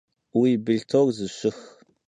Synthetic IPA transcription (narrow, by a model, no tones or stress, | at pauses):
wibɨɮtʰorzɨɕʷɪx